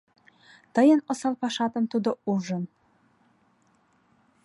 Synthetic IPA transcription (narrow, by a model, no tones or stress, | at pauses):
t̪əjənŏsɑlpɑʃɑt̪ə̆mt̪ud̪ouʒən